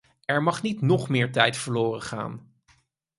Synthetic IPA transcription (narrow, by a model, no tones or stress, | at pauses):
ɛɹmɑχnitnɔχmɪːɹtɛjtfəɹloːrəχa̰ːn